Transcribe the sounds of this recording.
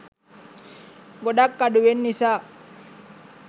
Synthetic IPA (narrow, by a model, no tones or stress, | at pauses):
ɡoɖakːaduwenːisa